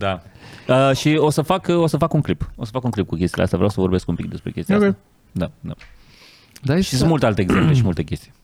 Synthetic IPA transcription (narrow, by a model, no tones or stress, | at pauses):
d̪aəʃio̞səfako̞səfakuŋklipo̞səfakuŋklip̚kukʲe̞st̪ilḛast̪javɾawsəvo̞rbeskumpikd̪e̞spɾe̞kʲe̞st̪iaa | d̪ad̪a̰ | d̪aʃisunmult̪ealt̪eːɡze̞mple̞ʃimult̪ekʲe̞st̪ij